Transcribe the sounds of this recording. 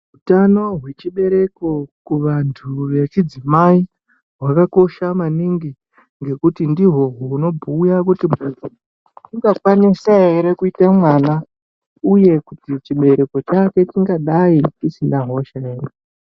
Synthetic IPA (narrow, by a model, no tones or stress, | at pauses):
ɦutano̞ɦwe̞t͡ʃiɓe̞ɾe̞ko̞kuʋantʰuʋet͡ʃid͡zimai | ɦwakako̞ʃamaniŋɡi | ŋɡe̞kutindiɦo̞ɦuno̞bʱuːjakutimuo | iŋɡakwanisae̞ɾe̞kuitamwana | uje̞kutit͡ʃiɓe̞ɾe̞ko̞t͡ʃake̞t͡ʃiŋɡaɗait͡ʃisinaɦo̞ʃaeːre